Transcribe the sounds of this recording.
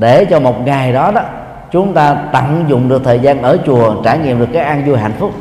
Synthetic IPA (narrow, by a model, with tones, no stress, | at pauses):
ɗe˧˩t͡ɕɔ˧mo˨˩t̚ŋa˨˩jɗɔ˨˦ɗɔ˨˦ | t͡ɕʊ˨˦ŋ͡mt̪aː˧t̪a˧˩ŋzʊ̰˧˨ŋ͡mɗɨ˨˩ək̚t̪ʰəː˨˩jzaː˧nʔəː˧˩t͡ɕu˨˩ət͡ɕaː˧˩ɲḭ˧˨əmɗɨ˨˩əkːaː˨˦˥kʔaː˧nzu˧jɦa̰ː˧˨n̟fʊ˦˥k͡p̚